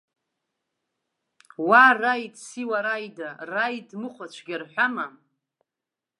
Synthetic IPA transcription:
warajdsiwaɾajdarajdmɨχʷat͡ʃʷʰɡʲarħʷᶣama

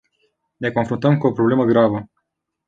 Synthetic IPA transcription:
ne̞ko̞nfɾunt̪əmkuo̞pɾo̞ble̞məɡɾavə

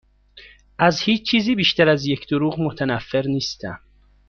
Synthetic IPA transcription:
ʔæzhiːt͡ʃt͡ʃʰiːziːbiːʃt̪ʰæɾæzjecʰd̪oɾuːɣmot̪ʰænæfːe̞ɾniːst̪æ̰m

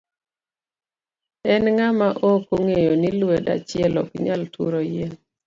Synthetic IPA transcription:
ɛnŋamaʔokoŋejonilweda̰t͡ʃɪɛlɔ̰kiɲaltʰṵɾojen

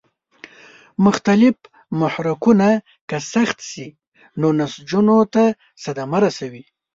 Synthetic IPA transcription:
mʊxt̪alɪf | mʊhɾakuna | kasaxt̪si | nonasd͡ʒunot̪a | sad̪amaɾasawi

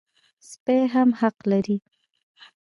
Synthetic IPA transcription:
speɦamhaqlaɾi

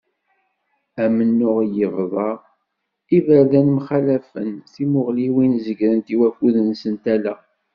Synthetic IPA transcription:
æmənːʊʁjəvðˤɑʁ | ivəɾðænmχælæfə̰nθimʊʁliwinzəɡɾənt̪iwæfuðənsənt̪ælæ

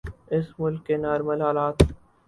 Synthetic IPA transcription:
ɪsmʊlkːenaːɾməlɦaːlaːt̪

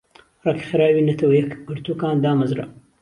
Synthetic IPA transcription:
rɐki̥xɨɾaːwiːnɐt̪ʰɐwɐjɐkɡɨɾt̪ukaːnd̪aːmɐzɾɐ̰

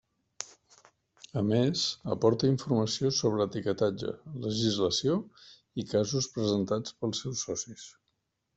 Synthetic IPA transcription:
əmezə̰pɔɾt̪əiɱfuɾməsiosoβ̞ɾəːt̪ikət̪ad͡ʒə̰ləʒizləsio | ikazuspɾəzənt̪at͡spəlˠsɛwsːɔsis

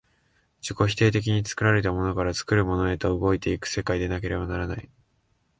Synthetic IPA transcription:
d͡ʑiko̞çi̥t̪e̞ːt̪e̞k̬ʲiɲ̟it͡sɨ̥kɯ̟ɾaɾe̞t̪̬amo̞no̞kaɾat͡sɨ̥kɯ̟ɾɯ̟mo̞no̞e̞t̪o̞ɯɡo̞it̪e̞ikɯ̟̥se̞kaid̪e̞nak̬e̞ɾe̞banaɾanai

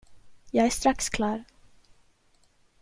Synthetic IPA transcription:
jɑːɡæʂst̪ɾakskʰlɑːɾ

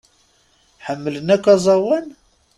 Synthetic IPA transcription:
ħəmːələnækːɑzˤɑwæn

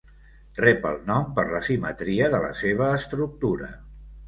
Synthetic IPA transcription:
rɛpə̰lˠnɔmpəɾləsimət̪ɾiəðələ̰seβ̞əːst̪ɾuk̚t̪uɾə̰

